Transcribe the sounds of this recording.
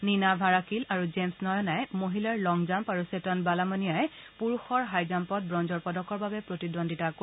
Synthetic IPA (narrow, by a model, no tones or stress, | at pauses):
ninabʱaɹakilaɹud͡ʒemsnɔjɔnajmoɦilaɹlɔŋzampaɹusetɔnbalamɔnijajɛ | puɹuxɔɹɦajzampɔt̚bɹɔnzɔɹpɔdɔkɔɹbabɛpɹotidondʱitako